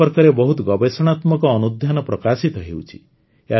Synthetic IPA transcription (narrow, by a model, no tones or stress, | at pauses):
ɔɾkɔɾebɔɦut̪ɔɡɔbesɔɽ̃at̪mɔkɔːnud̪ʱjanɔpɾɔkasit̪ɔɦḛwt͡ʃʰi̥̰ | ea